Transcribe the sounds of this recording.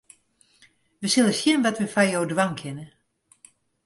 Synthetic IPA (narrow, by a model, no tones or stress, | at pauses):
ʋəsɪlˠəsjɪnʋɔtʋəfajowdwaŋkʰɪnə